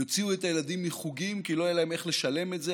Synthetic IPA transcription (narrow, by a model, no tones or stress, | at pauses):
ot͡siuetaje̞ladimːiχuɡimkiloajelae̞me̞χle̞ʃale̞met̪ze